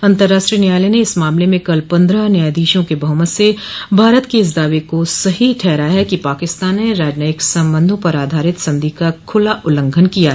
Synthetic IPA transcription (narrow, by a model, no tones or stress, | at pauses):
ɐ̃nt̪əɾːaːʃʈɾiənjaːleneɪsmaːmlemẽkɐlpɐ̃nd̪ɾənjaːjd̪iːʃõkebɐɦmət̪sebʱaːɾət̪keɪs̬d̪aːʋekosɐɦiʈʰɛːɾaɦɛkipaːkɪst̪aːnːeɾaːd͡ʒnaːɪksɐ̃mbə̃nd̪ʱõpɐɾaːd̪ʱaːɾɪt̪sɐ̃md̪ʱikakʰʊlaʔʊlə̃ŋɡʱənkijaː